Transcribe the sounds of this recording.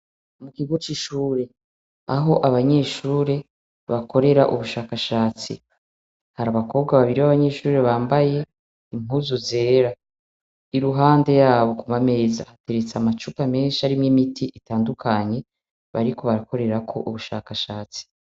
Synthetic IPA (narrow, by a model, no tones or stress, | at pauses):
mukiɡot͡ʃiʃuːɾe̞ | aɦo̞ʔaβaɲe̞ʃuːɾe̞ | βakʰo̞ɾe̞ɾaʔuβuʃaːkaʃaːt͡sḭ | haɾaβako̞ːβɡaβaβiɾiβaβaɲe̞ʃuːɾe̞βaːmbaje̞ | im̥huːzuze̞ːɾa | iɾuɦaːnde̞jaːβo̞kumame̞ːzahate̞ɾet͡samat͡ʃupame̞ːnʃiaɾimŋimitiʔitaːndukʰaɲe̞ | βa̰ɾiko̞βaɾako̞ɾe̞ɾakʰo̞ʔuβuʃa̰ːkaʃaːt͡si̥